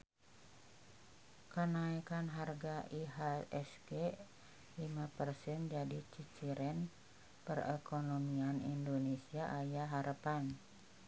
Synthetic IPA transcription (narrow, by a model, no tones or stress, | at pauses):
kənaikanɦarɡaʔiɦaɛsɡe | limapərsɛnd͡ʒadit͡ʃit͡ʃiɾɛn | pərɛ̰konomianindonesiaʔajaɦaɾəpan